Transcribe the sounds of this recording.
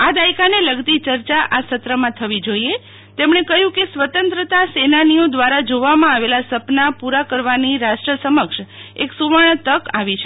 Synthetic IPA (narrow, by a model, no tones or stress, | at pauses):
ad̪aikaneləɡt̪it͡ʃəɾt͡ʃaʔasət̪ɾəmãt̪ʰəʋid͡ʒoie | t̪emɳekəɦjũkesʋət̪ənt̪ɾət̪asenanijõd̪ʋaɾad͡ʒoʋamãaʋelasəpnapuɾakəɾʋaniɾaʃʈɾəsəməkʃeksuʋaɳ̃ət̪əkaʋit͡ʃʰe